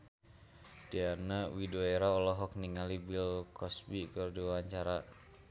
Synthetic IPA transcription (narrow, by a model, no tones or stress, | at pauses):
d̥ianawidɔeɾaɔlɔɦɔk̚niŋalibilkɔsbikɨrdiaɲt͡ʃaɾa